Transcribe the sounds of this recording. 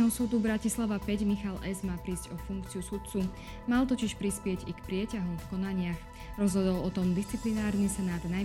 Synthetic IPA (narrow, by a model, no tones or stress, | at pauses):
ɦɔsuːd̪ubɾacislaʋapɛɟmixalʔɛzmaːpɾiːzɟɔfuŋkt͡siusut̪̚t͡su | malt̪ɔciʃpɾispɪɛɟikpɾɪɛcaɦumfkɔnaɲɪax | ɾɔzɦɔd̪ɔlɔt̪ɔmd̪ist͡siplinaːɾnisɛnaːd̪na